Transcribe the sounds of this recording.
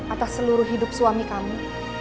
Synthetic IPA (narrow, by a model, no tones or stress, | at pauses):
at̪asːəluɾʊhɦidʊp̚suamikamu